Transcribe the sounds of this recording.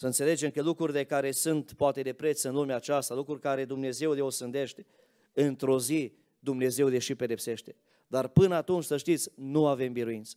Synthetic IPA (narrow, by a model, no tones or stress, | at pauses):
səɨnt̪se̞le̞d͡ʒe̞mkəlukɾuɾile̞kaɾe̞sunt̪poat̪e̞d̪e̞pɾe̞t̪sɨnlumeat͡ʃast̪alukɾurʲkaɾe̞d̪umne̞ze̞wleosɨnd̪e̞ʃt̪e̞̥ | ɨnt̪ɾo̞zi | d̪umne̞ze̞wleʃipe̞d̪e̞pse̞ʃt̪e̞ | d̪arpɨnat̪unt͡ʃʲsəʃt̪it̪sʲnuave̞mbiɾuint̪sə̥